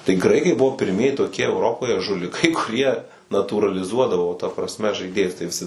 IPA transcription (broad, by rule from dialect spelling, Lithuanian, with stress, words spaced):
tɐɪ ˈɡrɐɪkɐɪ ˈbʊʋoː pʲɪrʲˈmʲiɛjɪ toːˈkʲiɛ ɛʊˈroːpoːjɛ ʒʊlʲɪˈkɐɪ kʊˈrʲiɛ nɐtuːrɐlʲɪˈzuɔdɐʋoː tɐ prɐsʲˈmʲɛ ʒɐɪˈdʲeːjʊs tɐɪ ʋʲɪˈsʲɪ